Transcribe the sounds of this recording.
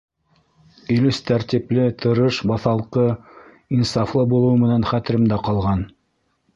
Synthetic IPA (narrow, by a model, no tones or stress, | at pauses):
ɵ̆lɵst̪æɾt̪ʲiplɘt̪ʰɤ̆ɾɤʃbɑθɑlˠqɤ | insɑflˠɤbulˠɤ̆wmɘ̆nænχæt̪ɘ̆ɾɘ̆md̪æqɑlˠʁɑn